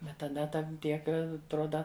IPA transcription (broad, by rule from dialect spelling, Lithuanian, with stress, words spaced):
ˈbʲɛt tɐˈdɐ ˈtɐn ˈtʲiɛk ɐtˈroːdɐ